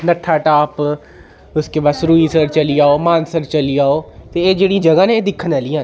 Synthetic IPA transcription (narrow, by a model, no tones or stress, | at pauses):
nəʈʰːaːʈaːp | ʊskeːbaːsɾuːiːsəɾt͡ʃəliːaːoːmãːnsəɾt͡ʃəliːaːoːt̪eːeːd͡ʒeːɽĩd͡ʒəɡãːneːd̪ɪkʰːənaliːãːn